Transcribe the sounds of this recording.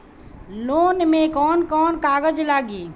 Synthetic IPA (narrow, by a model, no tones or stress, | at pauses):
loːnmẽkɔːnkɔːnkaːɡəd͡ʒlaːɡiː